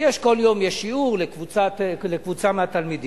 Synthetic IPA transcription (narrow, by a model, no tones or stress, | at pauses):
jeʃko̞ljo̞mjeʃiuʁlekvut͡salekvut͡samehat̪almid̪i